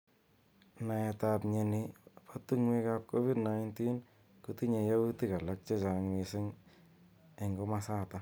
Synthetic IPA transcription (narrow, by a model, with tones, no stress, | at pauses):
na˨ɛtapɲe˨nipatu˦ŋwe˦kap̚ko˦fi˦dnajntin | kuti˦ɲe˨ja˦wu˦ti˦ka˨la˦k̚t͡ʃe˦t͡ʃa˨ŋwɪsɪ˦ŋ | ɛ˨ŋɡɔ˦masa˦ta˦